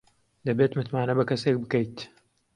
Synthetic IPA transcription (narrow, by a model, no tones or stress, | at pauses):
d̪ɐbeːt̪mɨt̪maːnɐbɐkɐseːk̚bɨkɐjt̪